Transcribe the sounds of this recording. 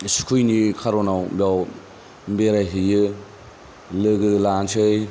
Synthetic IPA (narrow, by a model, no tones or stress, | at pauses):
skʰujnikʰaɾonawbjaw | mbeɾajɦɯjɯ | lɯɡɯlansʰɯj